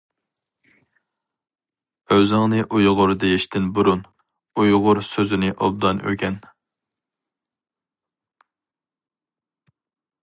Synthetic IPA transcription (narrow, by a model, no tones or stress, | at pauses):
øzɪŋnɨʔujʁʊɾd̪ejiʃt̪ʰɪnbuɾun | ujʁʊɾsøzɪnɪʔɑb̚d̪ɑnʔø̰ɡʲɛn